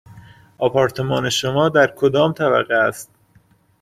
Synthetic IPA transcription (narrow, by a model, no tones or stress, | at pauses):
ʔɒːpʰɒːɾt̪ʰe̞mɒːne̞ʃomɒːd̪æɾkʰod̪ɒːmt̪ʰæbæ̰ɣeæst̪̚